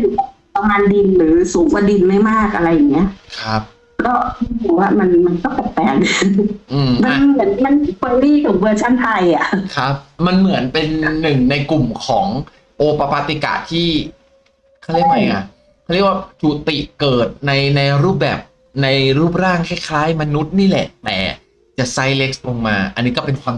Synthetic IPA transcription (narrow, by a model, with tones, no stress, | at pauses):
t̪u˨˩˦a˧˨˩a˧maː˧ndi˧nɾɯː˩˦suː˩˦ŋkwa˧di˧nma˥˩jmaː˥˩k̚ʔa˧ɾa˧jːa˨˩ŋni˦˥ɐ˧˨ʔkʰa˦˥p̚ | kɔː˥˩a˧tʰuː˨˩waː˦˥˩ma˧nma˧nkɔː˥˩p̪e˨˩t̚pɛː˨˩ŋʔɯː˨˩ma˧mɯ˩˦ə˦nma˧npɤː˧liː˥˩t̪ʰu˨˩˦bɤː˧t͡ɕʰa˥˩nt̪ʰa˧jʔa˨˩ʔkʰa˦˥p̚ma˧nmɯ˩˦ənpe˧nːɯ˨˩ŋna˧jku˨˩mkʰɔː˩˦ŋ | ʔoː˧pa˧paː˧t̪i˧ka̰ː˨˩t̪ʰiː˥˩ | kʰa˥˩ɾi˧˥˩k̚ma˧˦jka˧˩ | kʰa˥˩ɾi˦˥˩əkwa˥˩t͡ɕuː˨˩t̪i˨˩ʔkɤː˨˩t̪̚na˧jna˧jɾuː˥˩p̚bɛː˨˩p̚ | na˧jɾuː˥˩p̬̚ɾaː˥˩ŋkʰa˥˩jkʰlaː˦˥˩jma˧nu˦˥t̪̚niː˥˩lɛ̰˨˩ʔt̪ɛ̰ː˨˩ | t͡ɕa˨˩ʔsa˦˥jle˦˥k̚slo˧ŋmaː˧ʔa̰˧nːiː˦˥kɔː˥˩pe˧nkʰwaː˧m